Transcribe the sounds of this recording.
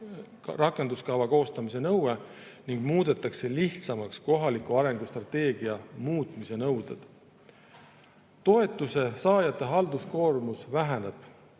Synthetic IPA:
rɑkːˑend̪uskɑvɑko̞ːst̪ɑmise̞nɤwwe | niŋɡ̥muːd̪̥e̞t̪ːˑɑkse̞liht̪sɑmɑksko̞ɦɑlikːˑuɑɾe̞ŋɡ̥ust̪rɑt̪e̞ːɡiɑmuːt̪ˑmise̞nɤwd̪̥ḛd̪̥ | t̪o̞e̞t̪ːˑuse̞sɑːjɑt̪ˑːe̞ɦɑld̪̥usko̞ːrmusvæɦæne̞b̥

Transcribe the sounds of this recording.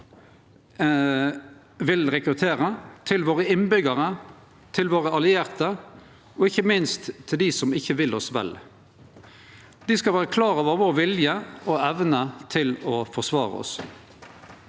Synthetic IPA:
ʋɪlɾɛkɾʉt̪ʰeːʁət̪ʰɪlʋoːʁəɪnbʏɡəʁə | t̪ʰɪlʋoːʁəɑlɪeːʁt̪ə | ɔɪçːəmɪnst̪ʰːɪld̪iːsɔmɪçːəʋɪlɔsʋɛ̰l | d̪̥ɪskɑlʋæːʁəkʰlɑːʁɔʋəʋoːɾʋɪljəɔɛʋnət̪ʰɪlɔfɔʁsʋɑːʁə̰ɔ̰s

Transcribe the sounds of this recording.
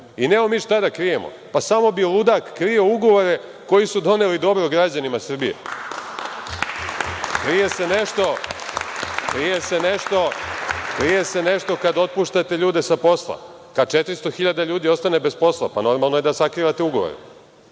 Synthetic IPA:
ine̞omiːʃt̪ad̪akɾije̞mo̞̰ | pasamo̞bilˠud̪akːɾio̞uɡo̞ʋoɾe̞ | ko̞jisud̪o̞nelid̪o̞bɾoɡɾad͡ʑanimasr̩bijḛ | kɾije̞se̞ne̞ʃt̪o̞ | kɾije̞se̞neʃt̪o̞kɾije̞se̞ne̞ʃt̪o̞kad̪o̞t̪̚puːʃt̪at̪e̞ʎuːd̪e̞sapo̞slˠa̰ | kad̪̚t͡ʃet̪ɾist̪o̞xiʎad̪aʎuːd̪io̞st̪anebe̞spo̞slˠa̰pano̞ɾmalˠnoje̞d̪asakɾiːʋat̪euɡo̞ʋo̰ɾḛ

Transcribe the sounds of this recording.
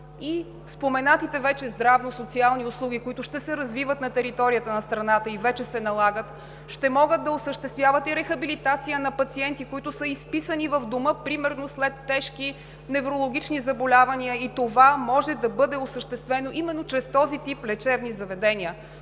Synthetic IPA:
i | fspomɛnat̪it̪ɛvɛt͡ʃɛzd̪ɾavnosot̪sialˠniʊslˠuɡ̟ʲikoit̪ʊʃt̪ɛsɛɾɐzvivət̪nɐt̪ɛɾit̪ɔɾiət̪ənɐst̪ɾɐnat̪əivɛt͡ʃɛsɛnɐlˠaɡət̪ | ʃt̪ɛmɔɡəd̪̚d̪ːɐʊsəʃt̪ɛst̪vjavət̪iɾɛxɐbilit̪at̪sijənɐpɐt̪siɛnt̪ikoit̪ʊsəispisənivəvd̪oməpɾimɛɾnoslɛt̪ːɛʃki | nɛvɾolˠoɡ̟ʲit͡ʃnizɐbolʲavɐniəit̪ovamɔʒɛd̪ɐbɤd̪ɛʊsəʃt̪ɛst̪vɛnoʔimɛnːot͡ʃɾɛst̪ɔzit̪iplɛt͡ʃɛvnizɐvɛd̪ɛnʲiə

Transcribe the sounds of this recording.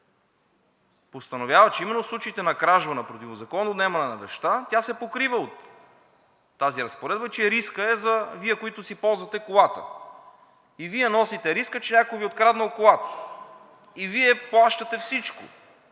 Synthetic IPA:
post̪ɐnovʲjavɐt͡ʃɛimɛnːoslˠut͡ʃɐit̪ɛnɐkɾaʒvɐnɐpɾot̪ivozɐkɔnd̪od̪nɛmɐnɛnɐbɛʃt̪at̪ʲasɛpokɾivəot̪ | aziɾɐspoɾɛd̪̚bət͡ʃɛɾiskəɛzɐviɛkoit̪ʊsipɔlˠzvɐt̪ɛkolˠat̪ə̰ | iviɛnɔsit̪ɛɾiskət͡ʃɛnʲakojviot̪kɾad̪nɐlˠkolˠat̪ə̥ | iviɛplˠaʃt̪ət̪ɛfsit͡ʃkʊ̰

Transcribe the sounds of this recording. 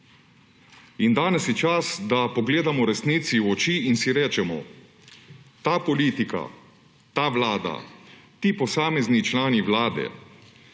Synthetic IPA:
ind̪aːnɛsjɛt͡ʃasd̪apɔɡleːd̪amɔɾɛsniːt̪siwɔt͡ʃiːnsiɾɛːt͡ʃɛmɔ̰ | t̪aːpɔliːt̪ika̰ | t̪aʋlaːd̪a̰t̪iːpɔsaːmɛznit͡ʃlaːniʋlaːd̪ɛ̰

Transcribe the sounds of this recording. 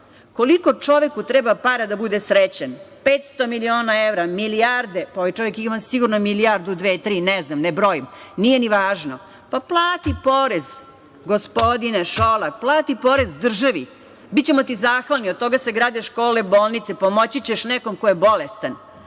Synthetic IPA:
koliko̞t͡ʂo̞ʋekut̪ɾɛbapaɾad̪abud̪esɾet͡ɕanpeːt̪st̪omilioːnaeʋɾamiliaɾd̪epaojt͡ʃo̞ʋekimasiɡuɾnomiliaɾd̪ud̪ʋeːt̪ɾiːnɛznamnebɾojimnijeniʋaːʒno | paplˠaːt̪ipoɾez | ɡospod̪ineʃolakplˠaːt̪ipoɾezd̪r̩ʒaʋi | bitt͡ɕemot̪izaːxʋalniod̪̚t̪o̞ɡaseɡɾaːd̪eʃko̞ːleboːlˠnit̪sepomot͡ɕit͡ɕeʃnɛkomkojebo̞lest̪an

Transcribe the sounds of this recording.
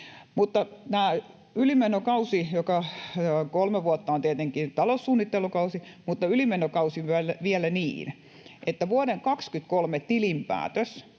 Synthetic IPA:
mut̪ːɑnæː | ylimenokɑusijokɑ | kolmeʋuot̪ːɑont̪iet̪eŋkint̪ɑlosːuːnːit̪ːelukɑusimut̪ːɑylimenokɑusiʋælæʋielænḭːn | ʔet̪ːæʋuodeŋkɑkskyt̪kolmet̪ilimpæ̰ːt̪øs

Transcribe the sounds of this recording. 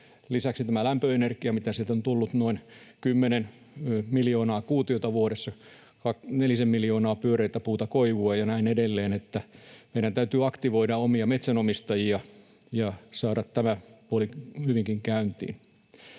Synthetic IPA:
lisæksit̪æmælæmpøenerkiɑmit̪æsit̪ont̪ulːut̪noinkymːenen | miljoːnɑːkuːt̪iot̪ɑʋuoɾesːɑ | kɑknelisemmiljoːnɑːpyøreit̪æpuːt̪ɑkoiʋuɑjɑnæinedelːeːnet̪ːæmeiɾænt̪æyt̪yːɑkt̪iʋoiɾɑomiɑmet̪sænomist̪ɑjiɑ | jɑsɑːɾɑt̪tæmæpuolihyʋiŋkiŋkæynt̪ḭːn

